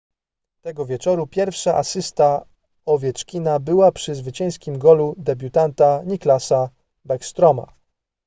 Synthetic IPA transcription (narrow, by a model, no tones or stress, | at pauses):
t̪ɛɡɔvʲjɛt͡ʂɔɾupʲjɛɾfʂaʔasɘst̪a | ɔvʲjɛt͡ʂkʲinabɘwapʂɘzvɘt͡ɕɛ̃j̃skʲimɡɔlud̪ɛbʲjut̪ant̪aɲiklasa | bɛkst̪ɾɔma̰